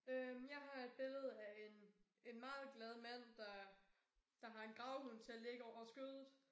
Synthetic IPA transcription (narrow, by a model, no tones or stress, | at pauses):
ømjɑ̈ɪɦɑ̈e̝d̥̚b̥e̝lð̞̩ˠæe̝n | e̝nmɑ̈ːð̩ˠɡ̥lɛð̞ˠmæn̰d̥ɑ̈ | d̥ɑ̈ɦɑ̈e̝nɡ̥ʁɑ̈ʊhunt͡sʰe̝æleɡ̥əɒʊ̰ɐsɡ̥øð̞ˠð̩ˠ